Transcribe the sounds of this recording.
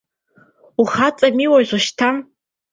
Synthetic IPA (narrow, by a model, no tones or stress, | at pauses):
uχat͡sʼamiwazʷaʃtʰam